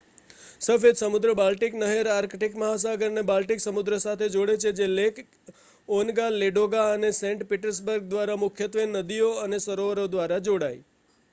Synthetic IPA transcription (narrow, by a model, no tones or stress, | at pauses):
səfed̪səmʊd̪ɾəbalʈiknəɦeɾaɾkʈikməɦas̬aɡəɾnebalʈiksəmʊd̪ɾəsat̪ʰed͡ʒoɽet͡ʃʰed͡ʒelekʰ | onɡaleɖoɡaənesɛ̃ɳʈpiʈəɾs̬bəɾɡ̚d̪ʋaɾamʊkʰjət̪ʋenːəd̪ijoənesəɾoʋəɾod̪ʋaɾad͡ʒoɽaj